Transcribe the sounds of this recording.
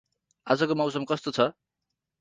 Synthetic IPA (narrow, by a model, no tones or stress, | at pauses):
ad͡zʌkomʌwsʌmkʌst̪ot͡sʰʌ